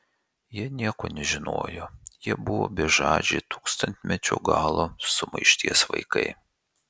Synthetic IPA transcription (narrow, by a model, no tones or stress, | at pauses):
jiɛnʲiɛko̰ːnʲɛʒʲɪno̰ːjojiɛbʊʋo̰ːbʲɛʒɑ̰ːd͡ʒʲɛɪt̪uːkst̪ɐnʲt̪ʲmʲɛt͡ʃʲṵːɡɑːlˠosʊmɐ̰ɪʃʲt̪ʲiɛsʋɐ̰ɪkɐ̰ɪ